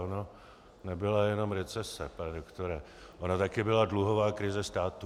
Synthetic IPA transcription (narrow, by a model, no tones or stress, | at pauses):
ono | nɛbɪlajɛno̞mɾɛt͡sɛsɛpanɛdokt̪oɾɛ | ʔonat̪akɪbɪladluɦo̞vaːkɾɪzɛst̪aːt̪u